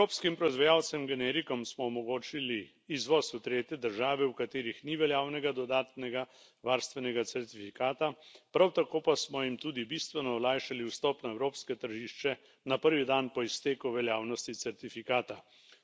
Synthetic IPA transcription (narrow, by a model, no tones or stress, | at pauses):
ɾoːpskimpɾɔizʋajaːw̪sɛmɡɛnɛːɾikɔmsmɔɔmɔɡoːt͡ʃiliː | zʋɔsut̪ɾeːt̪jɛd̪əɾʒaːʋɛwkat̪eːɾixniʋɛljaːwnɛɡad̪ɔd̪aːt̪nɛɡa | ʋaːɾst̪ʋɛnɛɡat̪sɛɾt̪ifikaːt̪apɾawt̪akoːpasmɔjimt̪uːd̪ibist̪ʋɛnɔɔlaːjʃaliwst̪ɔpnaɛwɾoːpskɛt̪əɾʒiːʃt͡ʃɛ | napəɾʋid̪anpɔist̪eːkuʋɛljaːwnɔst̪isɛɾt̪ifikaːt̪a